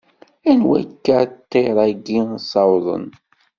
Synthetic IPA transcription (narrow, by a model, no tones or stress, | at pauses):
ænwæ̰kːat̪ːeɾˤɑɡisɑwðˤə̰n